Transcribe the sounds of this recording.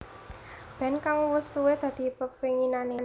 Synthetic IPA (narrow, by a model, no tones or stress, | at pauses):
b̥ɛ̤nkaŋwəsuwed̪̥ä̤d̪̥i̤pəpiŋinanen